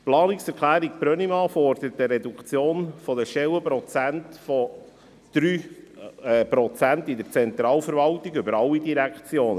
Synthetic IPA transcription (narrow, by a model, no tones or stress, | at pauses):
plɑːnɪksɛɾkʰlæːɾik̚pɾœnimɑːfɔɾd̪̥əɾətəɾɛd̪ukt͡sjoːnfɔd̪əʃɛwəpɾɔt͡sæntfɔ | d̪̥ɾyː | pɾɔt͡sænt̪idəɾt͡sɛnt̪ɾɑːlfəɾvɑltiɡʏbəɾɑlːidiɾækt͡sjoːnə